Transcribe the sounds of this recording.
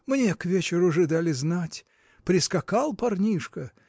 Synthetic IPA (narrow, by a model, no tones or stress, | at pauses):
mnʲekvʲet͡ɕɪɾʊɐʐɨd̪alʲɪznatʲ | pɾʲɪskɐkalˠpɐrnʲiʂkə